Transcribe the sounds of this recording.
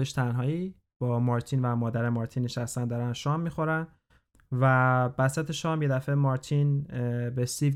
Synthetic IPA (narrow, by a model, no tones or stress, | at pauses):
eʃt̪ʰænɦɒːi | b̥ɒːmɒɾt̪ʰinvæmɒːd̪æɾemɒːɾt̪ʰinːeʃæst̪ænd̪ɒːɾænʃɒːmːixo̞ɾæn | væbæsæt̪ʰeʃɒːmje̞d̪æfemɒːɾt̪ʰinbesiv